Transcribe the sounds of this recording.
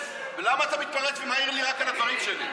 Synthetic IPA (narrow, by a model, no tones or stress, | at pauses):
velamaːt̪amit̪̚paʁet͡svemaiʁliʁakalavaʁimʃeli